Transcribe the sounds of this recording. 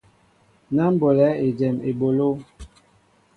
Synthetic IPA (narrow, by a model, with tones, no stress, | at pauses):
na˦m˦bo˨lɛ˨˦e˨d͡ʒɛ˨mḛ˨bo˨lo˦